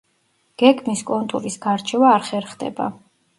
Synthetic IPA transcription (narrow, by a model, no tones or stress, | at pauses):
ɡ̥ɛɡʰmiskʼɔnt̪ʼṵɾisɡ̥aɾt͡ʃʰɛvaːɾχɛɾχd̪ɛ̰ba̰